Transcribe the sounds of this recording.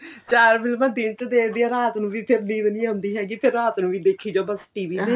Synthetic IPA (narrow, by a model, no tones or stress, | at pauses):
t͡ʃaːɾmɪlmãːd̪iːnt͡ʃəd̪eːkd̪iːaɾaːt̪nũːʋiːpʰɪɾnĩːdənĩːɦʊ̃nd̪iːɦɛːɡiːpʰɪɾaːt̪nũːʋiːd̪eːkʰiːd͡ʒoːbəsʈiːʋiːe